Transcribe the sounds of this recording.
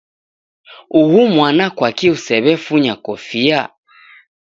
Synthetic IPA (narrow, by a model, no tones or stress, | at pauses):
uhumwanakwakiusɛβɛfuɲakɔfia